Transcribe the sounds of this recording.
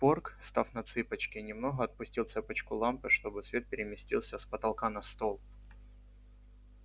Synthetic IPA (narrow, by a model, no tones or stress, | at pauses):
porkst̪afnɐt̪sɨpət͡ɕkʲɪnʲɪmno̞ɦəɐt̪̚pʊsʲtʲilˠt̪sɛpət͡ɕkʊlˠampɨʂt̪o̞bɨt̪svʲe̞t̪̚pʲɪɾʲɪmʲɪsʲtʲilˠsʲəspət̪ɐlˠkanɐst̪o̞lˠ